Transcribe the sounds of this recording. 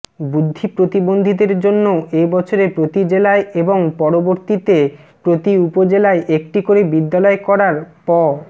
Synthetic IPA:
bud̪ʱːipɾot̪ibond̪ʱid̪eɾd͡ʑonːoebɔt͡ɕʰoɾepɾot̪id͡ʑelaeeboŋpɔɾoboɾt̪it̪e | pɾot̪iupod͡ʑelaeʔek̚ʈikoɾebid̪ːalɔekɔɾaɾpɔ

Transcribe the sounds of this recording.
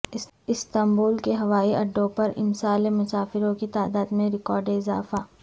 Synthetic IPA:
ɪst̪ɐmbuːlkeɦɐʋaːiɐɖːõpɐɾɪ̰msaːlemʊsaːfɪɾõkit̪aːd̪aːd̪mẽɾɪkɔːɾɖeɪzaːfaː

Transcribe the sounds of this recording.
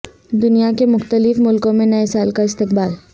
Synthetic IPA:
d̪ʊnijakemʊxt̪əlɪfmʊlkõmẽnɐesaːlkaɪst̪ɪqbaːl

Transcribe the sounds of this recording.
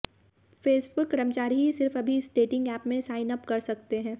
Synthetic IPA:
feːsbʊkːɾəmt͡ʃaːɾiɦisɪɾfɐbʱiɪsɖeːʈɪ̃ŋɡɛːpmẽsaːɪnəpkɐɾsɐkt̪eɦɛ̃ː

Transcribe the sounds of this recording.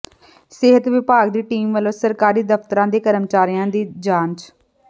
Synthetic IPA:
sɪɦət̪ʋɪpaːɡd̪iːʈiːmʋəlosəɾkaːɾiːd̪əft̪əɾãːd̪eːkəɾəmt͡ʃaːɾijãːd̪iːd͡ʒaːnt͡ʃ

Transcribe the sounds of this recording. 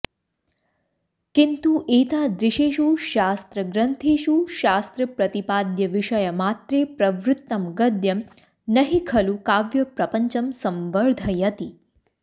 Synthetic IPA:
kint̪uʔet̪ad̪ɾɪʃeʃuʃast̪ɾəɡɾənt̪ʰeʃuʃast̪ɾəpɾɐt̪ipad̪jəʋɪʃəjəmat̪ɾepɾɐʋɾut̪ːɐmɡəd̪jɐm | nəɦikʰɐlukaʋjɐpɾɐpəɲt͡ʃəmsɐmʋəɾd̪ʱəjɐt̪i

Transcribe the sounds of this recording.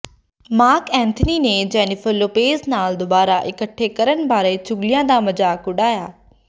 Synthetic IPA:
maːkɛ̃ːnt̪ʰənined͡ʒɛːnɪfʰəlːoːpeːznaːld̪ʊbaːɾaʔɪkəʈʰːekəɾənbaːɾət͡ʃʊɡlijãːd̪amɐd͡ʒaːkʊɗaːjaː

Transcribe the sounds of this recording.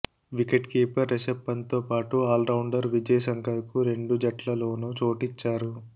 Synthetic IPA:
ʋikeʈkeːpɐɾːesepːɐnt̪o̞ːpaːʈuaːlɾɐwɳɖɐɾʋid͡ʒɐjɐsɐŋkɐɾkuɾe̞ɳɖud͡ʒɐʈlɐlo̞ːnut͡ʃo̞ːʈit͡ʃːaːɾu

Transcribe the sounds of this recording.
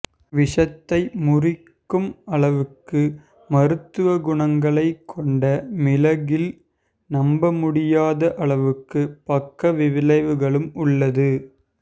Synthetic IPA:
ʋɪʂɐt̪ːɐɪmʊrɪkːɯmɐɭɐʋɯkːɯ | mɐɾɯt̪ːɯʋɐɡʊɳɐŋɡɐɭɐɪkʰːɔɳɖɐmɪlɐɣɪl | nɐmbɐmʊɽɪjaːðɐʔɐɭɐʋɯkːɯpɐkːɐʋɪʋɪlɐɪʋɯɣɐɭɯmʊɭːɐðɯ

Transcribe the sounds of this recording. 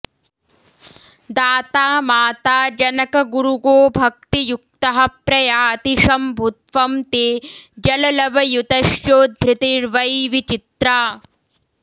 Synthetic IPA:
d̪aːt̪aːmaːt̪aːd͡ʒɐnɐkɐɡuɾuɡoːbʱɐk̚t̪ijuk̚t̪ɐɦɐpɾɐjaːt̪iʃɐmbʱut̪ʋɐmt̪eːd͡ʒɐlɐlɐʋɐjut̪ɐʃjoːd̪ʱɾɪt̪iɾʋɐjʋit͡ʃit̪ɾaː

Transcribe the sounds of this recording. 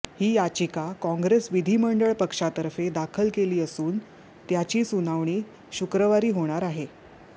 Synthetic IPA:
hiːjat͡ɕikakɔ̃ŋɡɾesʋid̪ʱiːməɳɖəɭpəkʂat̪əɾfed̪akʰəlkeliːəsuːn | t̪jat͡ɕiːsunaʋɳ̃iː | ɕukɾəʋaɾiːɦoɽ̃aɾaɦe

